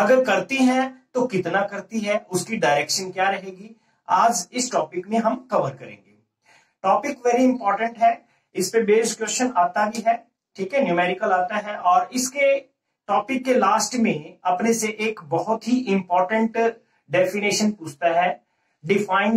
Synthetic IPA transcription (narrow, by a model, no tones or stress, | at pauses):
ɐɡəɾkɐɾt̪iɦɛ̃t̪okɪt̪nakɐɾt̪iɦɛ̃ʊskiɖaːɪɾɛːkʃənkjaːɾɐɦeːɡi | aːd͡ʒɪsʈɔːpɪkmẽɦɐmkɐʋəɾkɐɾḛ̃ːŋɡeː | ʈɔːpɪkʋɛːɾiɪ̃mpɔːɾʈə̃ɳʈɦɛː | ɪspebeːɾɪskjoːʃənaːt̪abʱiɦɛː | ʈʰiːkɦɛnjuːmɛːɾɪkəlaːt̪aɦɛʔɔːɾɪske | ʈɔːpɪkːelaːsʈmẽɐpneseʔeːkbɔɦʊt̪ɦiʔɪ̃mpɔːɾʈə̃ɳʈ | ɖɛːfɪneːʃənpuːt͡ʃʰt̪aɦɛː | ɖɪfʰaːɪ̃n